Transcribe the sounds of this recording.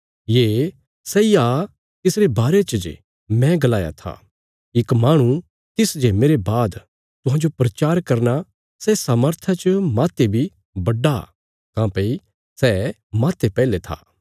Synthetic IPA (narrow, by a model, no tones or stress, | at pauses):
jeː | sɛːiaː | t̪ɪsɾebaːɾet͡ʃd͡ʒ | mɛ̃ɡɐlaːja̰t̪ʰa̰ | ɪkmaːɽ̃ũ | t̪ɪsd͡ʒeːmeːɾebaːd̪ | t̪ʊɦãːd͡ʒopɾɐt͡ʃaːɾkɐɾna | sɛsaːməɾt̪ʰat͡ʃəmaːt̪ebʱi | bɐɖa | kãːpei | sɛː | maːt̪epɛːlet̪ʰa̰ː